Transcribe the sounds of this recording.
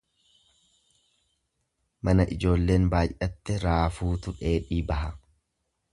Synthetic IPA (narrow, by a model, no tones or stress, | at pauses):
mɐnɐʔɪd͡ʒo̞ːlːe̞ːnbaːjʔɐt̪ːɛɾaːfuːt̪ʊᶑe̞ːᶑiːbɐɦɐ